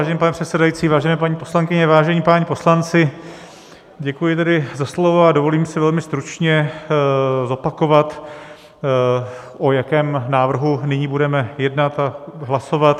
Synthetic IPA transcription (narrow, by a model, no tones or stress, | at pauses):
aʒɛnɛːpanɛpr̥ɛt̪sɛdajit͡siːvaːʒɛnɛːpaɲiːpo̞slaŋkɪɲɛvaːʒɛɲiːpaɲiːpo̞slant͡sɪ | ɟɛkujɪt̪ɛdɪzaslo̞voadovo̞liːmsɪvɛlmɪst̪ɾut͡ʃɲɛ | zo̞pako̞vat̪ | ʔo̞jakɛːmnaːvr̩ɦunɪɲiːbudɛmɛjɛdnat̪aɦlaso̞vat̪